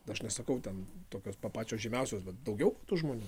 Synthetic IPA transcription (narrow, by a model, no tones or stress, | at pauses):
tɐʃnʲɛsɐkɐʊt̪ʲɛnt̪oːkʲoːspɐpɑːt͡ʃʲoːsʒʲɪmʲɛˑʊsʲoːsbʲɛt̪d̪ɐʊɡʲɛʊkɐt̪ʊʒmoːnʲuː